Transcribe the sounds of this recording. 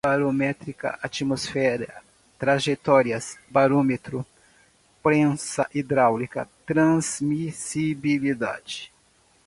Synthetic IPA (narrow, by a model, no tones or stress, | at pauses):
baɾomɛt̪ɾikɐ̰ʔat͡ʃimosfɛɾɐ | t̪ɾaʒet̪ɔɾiɐsbaɾomet̪ɾʊ | pɾẽsɐʔid̪ɾawlikɐ̰t̪ɾɐ̃zmisibilid̪a̰d͡ʒɪ